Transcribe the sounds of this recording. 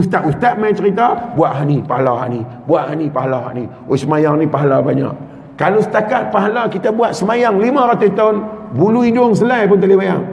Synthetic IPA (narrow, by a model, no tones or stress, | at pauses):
ist̪aʔwust̪aʔ̪̚mat͡ʃəɾit̪abuaʔɦanipaɦalaɦa̰ʔni | buaʔhanipaɦalaɦa̰ʔni | osəmajaŋnipaɦalabaɲa̰ʔ | kalosə̥t̪akat̪̚paɦalakit̪abuat̪̚səmajaŋlimãɾat̪ust̪aʊnbuluidʊŋs̬əlajp̬ʊnt̪alibaja̰ŋ